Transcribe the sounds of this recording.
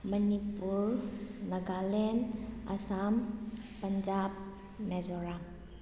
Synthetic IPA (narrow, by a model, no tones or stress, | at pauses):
mənipuɾnɐɡalɛna̰sampːənd͡ʒab̚ | mezɔɾaŋ